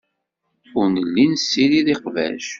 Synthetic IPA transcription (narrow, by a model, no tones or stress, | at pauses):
ʊɾnəlːinsːiliðiqvæ̰ʃ